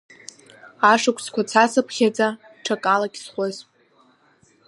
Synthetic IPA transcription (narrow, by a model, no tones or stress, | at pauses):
aʂakʷʰʼskʷʰat͡sʰasɨpʰχʲad͡zʼa | ʈ͡ʂʰakʼalakʲʼsχʷəzʼ